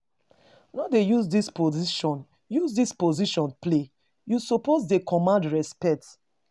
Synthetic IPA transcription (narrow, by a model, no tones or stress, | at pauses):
wãdejuzdispoziʃɔ̃n | juzdispoziʃɔ̃nple | jusopoz̬dekʰɔmãndɹɛspɛk̚t